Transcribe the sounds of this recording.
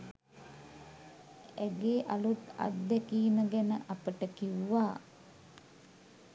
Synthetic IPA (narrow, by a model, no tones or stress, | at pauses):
æɡeːʔalut̪a̰t̪d̪ækiːnəɡænəʔapəʈəkiwʋaː